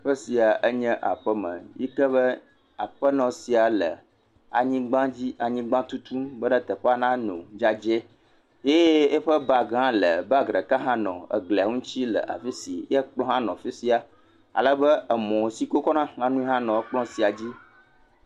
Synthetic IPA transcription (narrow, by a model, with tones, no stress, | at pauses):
ɸə˦si˨a˨ʔə˦ɲɛ̃˦ʔa̰˨ɸə˦mə̰̃˨ji˦kə˦βə˦ | a˨ɸə˦nɔ̃˨si˨a˨lə˨ | a̰˨ɲĩ˦ɡ͡bã˦d͡ʑi˦a˨ɲĩ˦ɡ͡bã˦t̪u˦t̪u˦mbə˦ɖə˦t̪ə˨ɸa˦nã˦nõ̰˨d͡ʒa˦d͡ʒe˦ | je˦e˦ɸə˦ba˨ɡã˦lə˨ba˦ɡɾə˨ka˦ɦã˦nɔ̰̃˨ə̰˨ɡle˨a˨ŋũ˦t͡ɕi˦lə̰˨ʔa̰˨fi˦si˨jɛ˦k͡plɔ̃˦ɦã˦nɔ̰̃˨fi˦si˦a˨ | a̰˨lə˦bə˦ə˨mɔ̃˨si˨ko˦kɔ˦nã˦ŋã˦nũ˦i˦ɦã˦nɔ̃˨ə˦k͡plɔ̃˦si˨a˨d͡ʑi˦